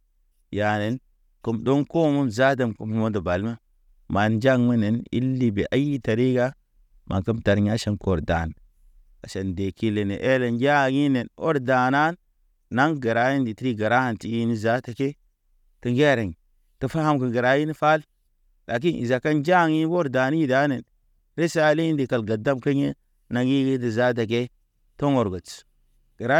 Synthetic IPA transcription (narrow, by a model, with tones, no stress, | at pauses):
ja˨ne˨n | ku˨mdo˦ŋko˦mu˦mza˦d̬ə˨mku˨m˨mo˦ndo˨ba˨lma˦ | ma˨nd͡ʒa˦˨ŋmi˦ne˨nḭ˦lːi˦be˨ʔa˦ji˦ta˨ɾi˦ɡa˦ | mʔa̰˨kə˦mta˨ɾɲa˦ʃa˦nko˨ɾda̰˨n˨ | ka˨ʃe˨nde˨ki˦le˨ne˨ʔe˦le˨nja˦˨ŋi˦ne˨no̰˦ɾda˨na˦nː | a˦ŋɡə˨ɾa˦ji˦ndi˨ti˦ɾi˦ɡa˨ɾa˦ha˨nti˨i˦ni˦za˦ta˨ke˦ | tə˨ŋɡe˦˨ɾa˨ŋ˨ | tə˨fa˦ha˦mkə˨ɡə˨ɾa˦ji˦ni˦fa˦l | la˨k̬i˦nḭ˨za˨ka˦nd͡ʒa˦˨ŋi˦n˦wo˦ɾda˨ni˦i˦da˦ne˨n | ɾe˦sa˦li˦i˦ndi˨ka˨lɡa˨da˦mka˦ɲe˦ | na˨ŋi˦ɡi˦ti˨za˦t̬a˨k̬e˦ | to˦ŋo˨ɾɡo˨t͡s | ɡ̥ə˨ɾa˦